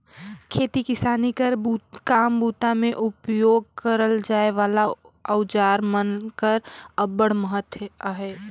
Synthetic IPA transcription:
kʰeːt̪ikɪsaːnikəɾbukaːmbuːt̪amẽʔʊpjoːɡ̚kəɾəld͡ʒaːeʋaːla | əʊd͡ʒaːɾmənkəɾəbəɽməɦət̪aɦeː

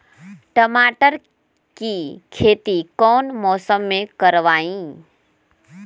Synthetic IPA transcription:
ʈəmaːʈəɾ | kiːkʰeːt̪ikɔːnmɔːsəmːẽkəɾʋaːĩː

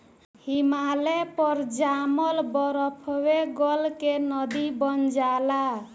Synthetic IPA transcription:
himalepɔɾd͡ʒamɔlbɔɾɔpʰweɡɔlkenɔd̪ibɔnd͡ʒala

